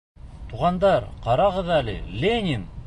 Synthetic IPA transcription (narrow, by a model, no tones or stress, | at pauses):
t̪ʰuʁɑnd̪ɑɾqʰɑɾɑʁɤðælɪ̰lʲenʲin